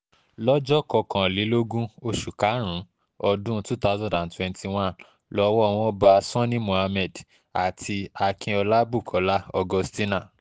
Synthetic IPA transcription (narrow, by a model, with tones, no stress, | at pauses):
lɔ˦d͡ʒɔ˦kɔ˧kã˨li˨˦lo˦ɡũ˦o˧ʃu˨ka˨˦ɾ̃ũ˨˦ | ɔ˧dũ˦tu˦ta˦zɔ̃˦˨dã˨ntwɛ̃˧nti˧w̃ã˦n | lɔ˨˦wɔ˦˧w̃ɔ̃˧ɔ˦ba˧sɔ̃˦nĩ˦mõ˨a˧mɛ˦˨d | a˨tʰi˧a˧kʰĩ˧ɔ˧la˦bu˦˨kʰɔ˨˦la˦ɔ˧ɡɔ˧sti˦na˦˨